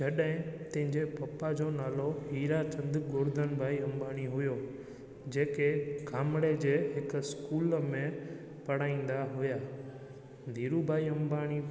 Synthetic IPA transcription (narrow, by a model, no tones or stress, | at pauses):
d͡ʒɐɗɦɪ̃t̪ɐ̃ɦɪ̃ɲd͡ʑepɐpːad͡ʑonaːloɦiːɾat͡ɕɐ̃nd̪ʊɡʊɾd̪ʱənbʱaːiɦɐ̃mbaːɽ̃iɦʊjo | d͡ʑeːkeɡʱaːmɽed͡ʑeːɦɪkskuːlmẽ | pɐɽ̤aːĩːn̆d̪aɦʊjaː | nd̪ʱiːɾubʱaːiɐ̃mbaːɽ̃i